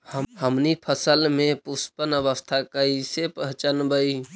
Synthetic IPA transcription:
həhəmnipʰəsəlmepuspənəβəst̪ʰakəisepəɦt͡ʃənbəi

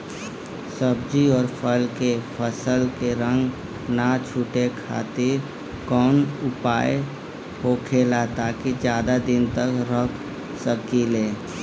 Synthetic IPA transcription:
səb̚d͡ʒiɔːɾpʰəlkepʰəsəlkeɾə̃ŋɡ | nat͡ʃʰuːʈekʰa̰ːt̪eɾ | kɔːnʊpaːe | ɦoːkʰeːlat̪aːkid͡ʒjaːd̪ad̪ɪnt̪əkɾəkʰ | səkileː

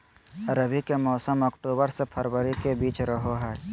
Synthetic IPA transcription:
əɾəbʱikemɔːsəmɔkʈoːbəɾsepʰəɾwəɾikebiːt͡ʃɾəɦoɦɛː

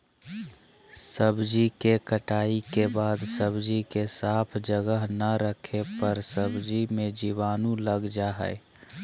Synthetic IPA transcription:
səbd͡ʒikekəʈaːikebaːd̪səbd͡ʒikesaːpʰd͡ʒəɡəɦnəɾəkʰepəɾsəbd͡ʒimẽd͡ʒiʋaːnũləɡd͡ʒaɦɛ̰e

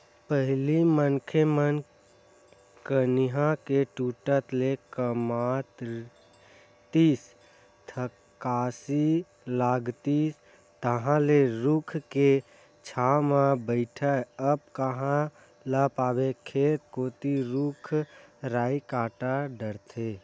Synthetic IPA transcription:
pəɦlimənkʰemən | kəniɦãkeʈuʈət̪lekəmat̪ | t̪is | t̪ʰə | kasi | laɡt̪i | t̪əɦãleɾukʰke | t͡ʃʰamãbəɪʈʰaəb̚kəɦã | ləpaːbekʰeːt̪̚koːt̪iɾukʰ | ɾaːikaːʈaɖəɾt̪ʰe

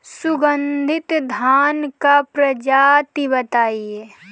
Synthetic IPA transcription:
sʊɡə̃nd̪ʱɪt̪d̪ʱaːnkapɾəd͡ʒat̪ibət̪aːie

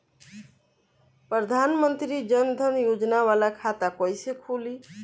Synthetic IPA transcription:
pɾəd̪ʱanmənt̪ɾid͡ʒənd̪ʱənjod͡ʒnaβalakʰat̪akɔjsekʰuli

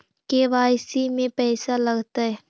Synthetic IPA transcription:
keʋaːjsimẽpɛːsalɐɡt̪aɦɛː

